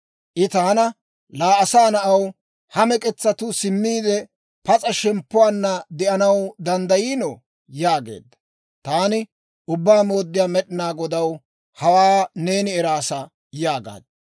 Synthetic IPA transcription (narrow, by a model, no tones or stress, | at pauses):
ʔɪt̪ɐhɐnɐ | laːʔɐsaːnɐʔɐw | hɐmɛkʼɛt͡sːɐt̪ʊsɪmːiːd̪ɛ | pɐt͡sʼɐʃɛmpːʊwaːnːɐd̪ɛʔɐnɐwd̪ɐnd̪ɐjiːnɔ | jaːɡḛːd̪ːɐ | t̪aːnɪ | ʊbːaːmo̞ːd̪ːɪjaːmɛɗɪnaːɡɔd̪ɐw | hɐwaːne̞ːnɪɛɾaːsɐ | jaːɡa̰ːd̪ɐ